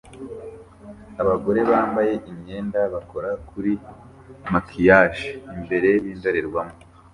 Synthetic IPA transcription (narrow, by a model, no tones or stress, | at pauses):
aβaɡo̞ɾe̞βaːmbaje̞ʔiɲɲe̞ːndaβako̞ɾakuɾi | makʰijaʃiimbe̞ɾe̞βiːndoɾeɾɡwamo